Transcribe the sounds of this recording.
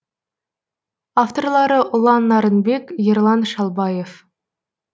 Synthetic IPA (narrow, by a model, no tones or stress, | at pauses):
aft̪o̞rlˠɑɾəʔʊlˠɑnːɑɾənbe̞kʲjerlˠɑnʃɑlˠbɑje̞f